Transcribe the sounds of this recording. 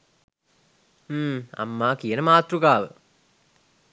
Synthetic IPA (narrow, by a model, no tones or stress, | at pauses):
m̩ːa̰mːaːkijənəmaːt̪rukaːʋə